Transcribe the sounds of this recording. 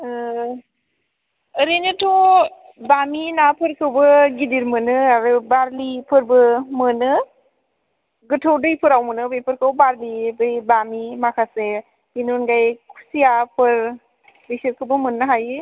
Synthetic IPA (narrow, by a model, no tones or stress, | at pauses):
əɾenɯtʰɔ | baminapʰɯɾkʰɯwbɯɡidiɾmɯnɯaɾɯbaɾlipʰɯɾbɯmɯnɯ | ɡɯtʰowdɯjpʰɯɾawmɯnɯbejpʰɯɾkʰawbaɾlibɯjbamimakʰase | inunɡajkʰu̥sijapʰɯɾ | besɯɾkʰɯbɯmɯnːɯɦajɯ